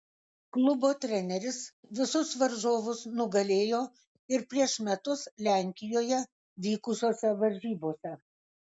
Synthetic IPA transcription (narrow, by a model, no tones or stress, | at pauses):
klˠʊboːt̪ʲɾʲɛnʲɛɾʲɪsʋʲɪsʊsʋɐɾʒoːʋʊsnʊɡɐlʲeːjoː | ɪɾpʲɾʲiɛʃmʲɛt̪ʊslʲæˑŋʲkʲɪjoːjɛ | ʋʲiːkʊsʲoːsʲɛʋɐɾʲʒʲiːboːsʲɛ